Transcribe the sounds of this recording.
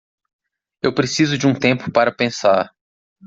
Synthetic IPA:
ewpɾesizʊd͡ʒɪũt̪ẽmpʊpaɾɐpẽsaɾ

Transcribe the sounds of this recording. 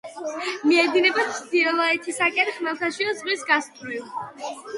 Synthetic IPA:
miɛd̪inɛbat̪ʰd̪iɛlˠɔɛt̪ʰisakʼɛnχmɛlˠt̪ʰaʃiɔzʁwisɡast̪ʼɾilˠ

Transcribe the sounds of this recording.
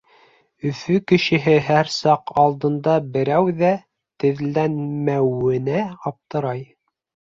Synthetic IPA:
ɵ̆fɵkɘ̆ʃɘ̆ɦɘɦæɾsɑqɑlˠd̪ɤ̆nd̪ɑbɘ̆ɾæwðæ | t̪ɘ̆ðlænmæwɘ̆næɑp̚t̪ɤ̆ɾɑj

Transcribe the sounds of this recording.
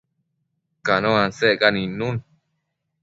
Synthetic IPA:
kanõãnsekanĩnũn

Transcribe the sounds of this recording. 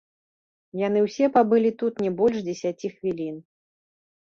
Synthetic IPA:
jan̪ɨwsʲɛpabɨlʲit̪ut̪nʲɛbɔlʲʂd͡zʲɛsʲat͡sʲixvʲilʲin

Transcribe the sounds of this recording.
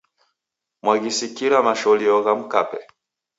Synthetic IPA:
mwaɣisikiɾamaʃɔliɔɣam̩kapɛ

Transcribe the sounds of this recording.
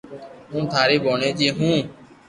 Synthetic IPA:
ɦũːt̪ʰaːɾeːɓʱoːɳeːd͡ʒiːɦũː

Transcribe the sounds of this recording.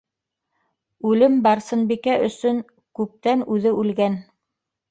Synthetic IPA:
ʉlɘmbɑɾsɤ̆nbikæʔɵ̆sɵŋ | kʉp̚t̪ænʉðɘʉlɡæn

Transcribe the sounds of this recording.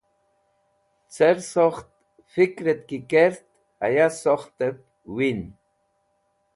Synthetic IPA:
t͡seɾsoχt̪̚ | fikɾet̪̚kikeɾt̪ | a̰jasoχt̪ep̚ | win

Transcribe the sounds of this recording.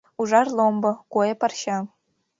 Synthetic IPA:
uʐarlombɐɡ̥ʷojapʰarʃa

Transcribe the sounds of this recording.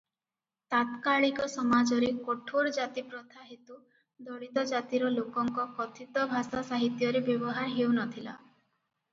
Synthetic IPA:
t̪at̪kaɭikɔsɔmad͡ʒɔɾekoʈʰoɾɔd͡ʒat̪ipɾɔt̪ʰaɦit̪u | d̪ɔɽit̪ɔd͡ʒat̪iɾɔlokɔŋkɔkɔt̪ʰit̪ɔbʱasasaɦit̪jɔɾebjɔbɔɦaɾɦewnɔt̪ʰila̰

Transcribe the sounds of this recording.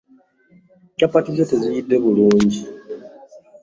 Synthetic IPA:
capatizo̞te̞zijidːe̞βuluːɲɟi

